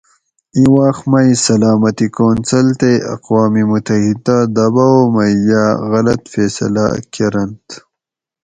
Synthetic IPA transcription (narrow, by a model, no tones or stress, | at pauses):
ĩwaːxmɐjsɐlaːmɐt̪ikoːnsɐlt̪eɐ̰qwaːmimut̪ɐhid̪ad̪ɐbaomɐjaɣɐlɐt̪feːsɐ̰la̰keɾɐnt̪